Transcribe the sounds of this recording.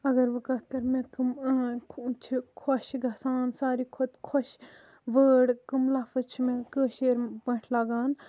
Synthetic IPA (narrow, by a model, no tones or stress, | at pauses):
ɐɡɐɾʋɨkɐt̪ɐɾmẽkɐmʰ | t͡ʃʰikʰɔʃɡʱɐsaːnsaːɾiːkʰot̪kʰɔʃ | ʋəːɽkɐmlɐfɨt͡ʃʰmẽkəːʃeːɾpɐ̃ʈʰlaːɡaːn